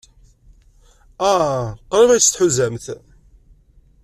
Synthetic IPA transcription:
æqɾˤivæjst̪ħuzæmθ

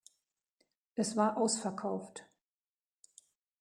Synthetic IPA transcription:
ʔɛsv̥aːɐʔaʊsfɛɐkʰaʊft

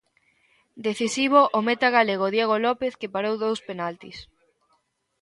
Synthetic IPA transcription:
d̪eθisiβ̞oʔomet̪aɣaleɣ̞oðjeɣ̞olɔpeθkepaɾowðowspenalt̪is

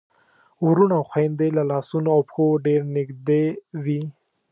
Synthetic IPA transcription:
uɾunawxwajnd̪elalɑsunoawpxoɖeɾnɪɡd̪ewi

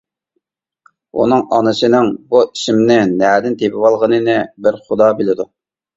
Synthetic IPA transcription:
ṵnɨŋɑnɨsɨnɨŋbuiʃɪmnɪnæːd̪ɪnt̪ʰepɪwɑlˠʁənɨnɪbɪɾχʊd̪ɑbɪlɪd̪u

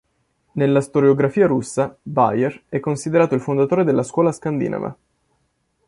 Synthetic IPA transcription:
nelːast̪oɾeoɡɾafiːaɾusːaba̰jɛrɛkːonsid̪eɾaːt̪oilfond̪at̪oːɾed̪elːaskwɔːlaskand̪ḭːna̰va̰

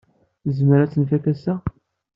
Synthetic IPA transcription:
zəməɾæt͡sːənfækæsæ

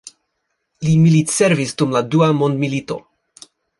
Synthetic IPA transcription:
limilitseɾvisdumladuamondmilito̞̰

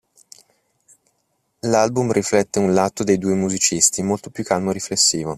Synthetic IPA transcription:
lalbumriflɛt̪ːeunlat̪ːod̪ejd̪uːemuzit͡ʃist̪imolt̪o̥pjukːalmoɾiflesːiːvo

